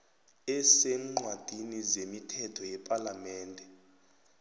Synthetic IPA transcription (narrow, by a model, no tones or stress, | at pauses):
ɛsɛŋ͡ǃwad̥ʱinizemitʰɛtʰɔjɛpʼalamɛːndʱɛ